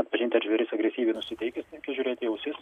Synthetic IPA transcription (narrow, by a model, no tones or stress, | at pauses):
ɐt̪pɐʒʲɪnʲt̪ʲɪɐʒʲʋʲɛɾʲɪsɐɡɾʲɛsʲiːʋʲɛɪnʊsʲɪt̪ʲɛɪkʲɪst̪ʲɛŋʲkʲɛʒʲuːɾʲeːt̪ʲɪjɛʊsʲɪs